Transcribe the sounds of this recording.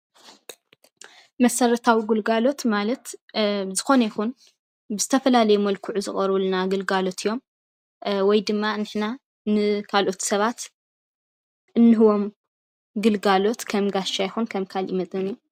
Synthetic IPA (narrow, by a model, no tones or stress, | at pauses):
mɐsɐɾɐt̪ʰawiɡulɡalo̞t̪malɐt̪zɨxo̞nɐjxun | bɨzɨt̪ʰɐfɐlalɐjmɐlkʰuʕuzɨχʼɐɾβulnaɡɨlɡalo̞t̪ʰijːo̞m | wɔjd̪ɨmːanɨħna | nɨkʰalʔo̞t̪sɐβat̪ | ʔɨnːɨɦɨwo̞m | ɡɨlɡalo̞t̪kʰɐmɡaʃajxunkʰɐmkʰalʔimɐt͡s̪ʼɐnu